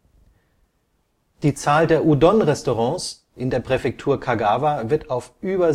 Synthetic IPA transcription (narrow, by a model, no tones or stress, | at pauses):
d̥iːt͡saːldeːɐʔudɔnʁɛstoʁɑ̃ːs | ʔɪndeːɐpʁ̥ɛfɛk̚tʰuːɐkʰaɡaːvavɪɐtaʊfʔyːbɐ